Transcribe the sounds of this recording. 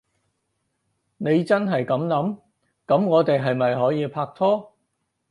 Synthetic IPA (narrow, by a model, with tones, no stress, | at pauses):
ne˨˧jt͡sɐ˥nɦɐ˨jkɐ˨˥mlɐ˨˥m | kɐ˨˥mŋɔː˨˧t̪e˨jɦɐ˨jmɐ˨jɦɔː˨˥jiː˨˧pʰaː˧k̚t̪ʰɔː˥